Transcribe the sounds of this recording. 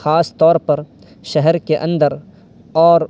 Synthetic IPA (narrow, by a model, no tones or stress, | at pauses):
xaːst̪ɔːɾpɐɾ | ʃɛɦɛɾkeʔɐ̃nd̪əɾ | ɔːɾ